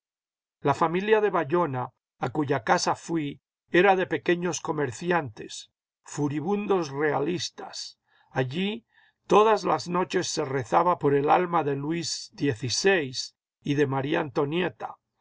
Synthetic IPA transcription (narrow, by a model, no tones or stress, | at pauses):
lafamiljaðe̞βaʎo̞naː | kuʝakasafwi | e̞ɾaðe̞pe̞ke̞ɲo̞sko̞meɾθjant̪e̞s | fuɾiβund̪o̞sre̞alist̪as | aʝi | t̪o̞ðazlazno̞t͡ʃe̞sːe̞re̞θaβapo̞ɾe̞lalmaðe̞lwizðje̞θisejs | iðe̞maɾia̰nt̪o̞njet̪ḁ